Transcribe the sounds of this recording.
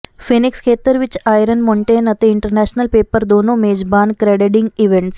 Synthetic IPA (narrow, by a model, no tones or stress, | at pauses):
fenikskʰet̪əɾʋit͡ɕajɾənmoɳʈeːnɐt̪eiɳʈəɾnæɕnəlpeːpəɾd̪onomed͡ʑbaːnkɾeɽeɖiŋɡiʋeɳʈs